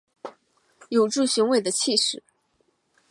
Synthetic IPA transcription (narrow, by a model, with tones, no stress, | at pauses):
jo˨˩ʊʈ͡ʂu˥˩ɕy˧˥ŋwe˧˥ɪd̪ə˨t͡ɕʰi˥˧ʂɻ̩˨˩˦